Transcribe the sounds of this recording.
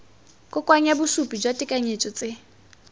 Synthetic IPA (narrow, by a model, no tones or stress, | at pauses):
kʼʊkʼwaɲabʊsupʼid͡ʒwatʼɪkʼaɲet͡ʃʼɔt͡sʼe